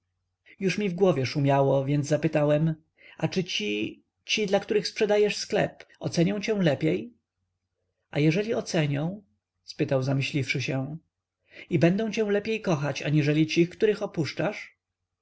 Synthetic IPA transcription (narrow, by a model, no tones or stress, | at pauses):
juʂmʲivɡwɔvʲjɛʂumʲjawɔvʲjɛnd̪zapɘt̪awɛm | at͡ʂɘt͡ɕi | t͡ɕid̪lakt̪uɾɘxspʂɛd̪ajɛʂsklɛ̰pɔ̰t̪sɛɲɔ̃w̃t͡ɕɛ̃w̃lɛpʲjej | ajɛʐɛlʲiɔt̪sɛɲɔ̃w̃ | spɘt̪awzamɘɕlʲifʂɘɕɛ | ibɛnd̪ɔ̃w̃t͡ɕɛ̃w̃lɛpʲjejkɔxat͡ɕa̰ɲiʐɛlʲit͡ɕixkt̪uɾɘxɔpuʂt͡ʂaʂ